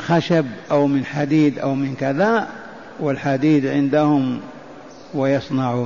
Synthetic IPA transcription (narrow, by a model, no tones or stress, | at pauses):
xaʃabʔawmɪnħad̪iːd̪ʔa̰wmɪnkaða | wɪlħad̪iːd̪ʕɪnd̪ahʊm | wɪjɑsˤnɑʕu